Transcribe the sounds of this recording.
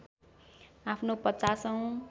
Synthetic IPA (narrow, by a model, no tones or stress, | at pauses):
apʰnopʌt͡sasʌ̃